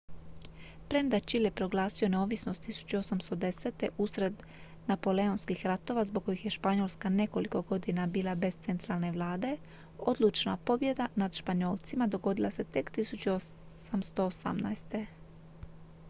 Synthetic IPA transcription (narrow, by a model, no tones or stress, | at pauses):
pɾemd̪at͡ʃiljepɾo̞ɡlˠaːsio̞ne̞o̞ʋisno̞st̪ːisu̥t͡ɕuosamst̪o̞d̪e̞set̪e̞ʔusɾe̞d̪ | napo̞le̞onskixɾat̪o̞ʋazboɡ̚ko̞jixje̞ʃpaɲo̞ːlˠskane̞ko̞liko̞ɡo̞d̪inabiːlˠabe̞st̪se̞nt̪ɾaːlˠne̞ʋlˠaːd̪e̞ | o̞d̪lˠut͡ʃna̰po̞bje̞d̪anad̪ʃpaɲo̞ːlˠt̪simad̪o̞ɡo̞d̪ilˠase̞t̪e̞kt̪isut͡ɕuo | samst̪o̞ːsa̰mna̰jst̪e̞